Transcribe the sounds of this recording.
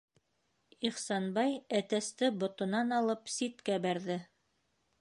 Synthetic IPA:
iχsɑnbɑjæt̪æst̪ɘbŏt̪ŏnɑnɑlˠɤpsit̪kæbæɾðɘ

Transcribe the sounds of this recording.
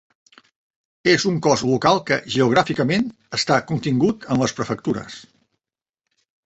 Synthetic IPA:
ezuŋkɔzlukalˠkəʒəuɣ̞ɾafikəmen | əst̪akunt̪iŋɡut̪ənləspɾəfək̚t̪uɾə̰s

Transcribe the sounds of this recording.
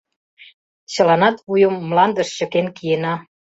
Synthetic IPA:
t͡ɕə̆lɑnɑt̪ujə̆mːlɑnd̪ə̆ʃt͡ɕə̆kenkijenɑ

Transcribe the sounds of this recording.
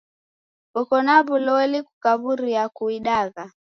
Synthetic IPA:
kɔkɔnaβulɔɛlikukaβuɾiakuiɗaɣa

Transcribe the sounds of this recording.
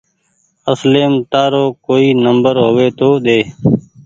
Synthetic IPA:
əsleːmt̪aːɾoːkoːiːnəmbəɾɦoːʋeːt̪oːɗ̪eː

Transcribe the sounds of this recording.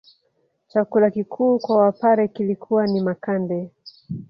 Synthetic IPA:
t͡ʃakulakikʰuːkwawapaɾɛkilikʰuwanimakandɛ

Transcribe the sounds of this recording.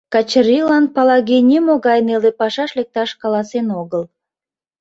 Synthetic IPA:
kɑt͡ɕrilɑnpɑlɑɣenʲemoɣɑjnelepɑʃɑʃlek̚t̪ɑʃkɑlɑsenoɣəl

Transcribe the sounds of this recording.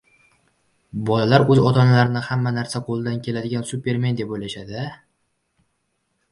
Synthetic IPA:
bɒlalaɾɵzɒt̪ʰɒnalaɾɪnɪhamːanaɾsaqʰolˠɪd̪ankʲʰe̞lad̪ɪɡʲansupʰʲe̞ɾme̞nd̪epojlaʃad̪ɪ

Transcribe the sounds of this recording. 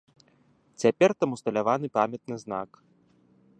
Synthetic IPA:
t͡sʲapʲɛrt̪amust̪ɐlʲavanɨpamʲɛt̪̚nɨzna̰k

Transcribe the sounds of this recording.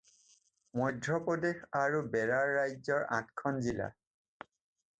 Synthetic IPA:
mɔjdʱɹɔpɔdexaɹubɛɹaɹːajzɔɹã̰tkʰɔnzila̰

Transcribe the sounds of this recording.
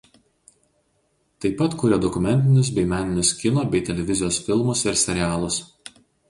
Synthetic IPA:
t̪ɐɪpːɐt̪kʊɾʲɛd̪ɔkʊmʲɛnʲt̪ʲɪnʲʊs̬bʲɛɪmʲæːnʲɪnʲʊskʲɪnoːbʲɛɪt̪ʲɛlʲɛʋʲɪzʲɪjoːsfʲɪlˠmʊsɪɾsʲɛɾʲɪæːlˠʊs

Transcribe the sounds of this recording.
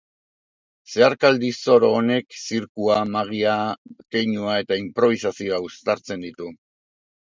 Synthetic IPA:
se̞aɾkald̪iso̞ɾoːne̞ksiɾkuamaɣ̞iakejɲuae̞t̪aimpɾo̞β̞isasio̞aust̪aɾt͡se̞nd̪it̪u

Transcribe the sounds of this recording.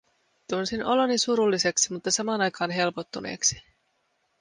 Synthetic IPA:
t̪unsino̞lonːisuɾulːise̞ksimut̪ːɑsɑmɑːnɑjkɑːnɦe̞lpo̞t̪ːunḛːksi̥

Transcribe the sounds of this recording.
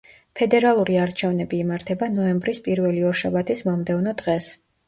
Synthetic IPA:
pʰɛd̪ɛɾalˠuɾiaɾt͡ʃʰɛvnɛbiːmaɾt̪ʰɛbanɔɛmbɾispʼiɾvɛliɔʃavat̪ʰismɔmd̪ɛvnɔd̪ʁɛs

